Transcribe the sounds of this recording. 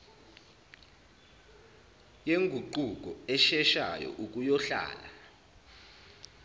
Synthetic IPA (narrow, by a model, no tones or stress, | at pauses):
jeŋɡʱuǃuk̬ɔɛʃɛʃajɔ̰ʔuk̬ʼujɔɬa̰ːla